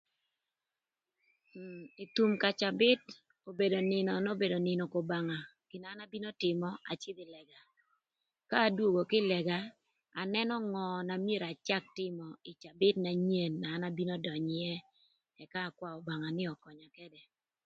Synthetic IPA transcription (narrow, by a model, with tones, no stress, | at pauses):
i˨tu˨mka˨t͡ʃa˨bɪ˦t | o˨be˨do˨nɪ˨nɔ˨no˦be˨do˨nɪ˨nɔ˨ko˨ba˨ŋa˨ɡ̥ɪ˨na˨˦na˦bi˦no˦tɪ˨mɔ˦a̰˨t͡ʃɪ˦dɪ˨lɛ˨ɡa˨ | kaː˦dwo˨ɡo˨kɪ˦lɛ˨ɡa˦ | a˨nɛ˦nɔ˦ŋɔ˨na˨mje˦˨ɾa˨t͡ʃa˦k̚tɪ˦mɔ˨ɪ˨t͡ʃa˨bɪ˦tna˨ɲe˨nːaː˨˦na˦bi˦nɔ˦dɔ˨ɲɪ˦jɛ˦ | ɛ˨kaː˦˨kwa˦o˨ba˨ŋa˨nɪ˦ɔ˨kɔ˨ɲa˨kɛ˦dɛ˨